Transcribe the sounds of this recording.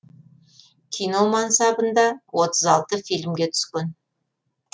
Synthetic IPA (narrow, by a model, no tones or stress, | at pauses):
kʲʰijno̞mɑnsɑbənd̪ɑwo̞t̪əzɑlˠt̪əfilmɡʲe̞t̪ʰʏ̥skʲen